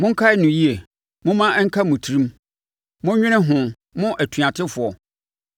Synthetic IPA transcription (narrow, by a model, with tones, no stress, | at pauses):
mʊ̃˦ŋ̩˦kʰa˦ɪ˦nʊ̃˨ji˦e˨ | mʊ̃˦mã˦ŋ̩˦kʰa˦mʊ̃˨tʰi˦ɾĩ˦m | mʊ̃˦ɲᶣɪ̃˦nɪ̃˦ɦʊ̃˨ | mʊ̃˦ʔæ˨tʰu˨ã˨tʰɪ˦fʊ˨ɔ˨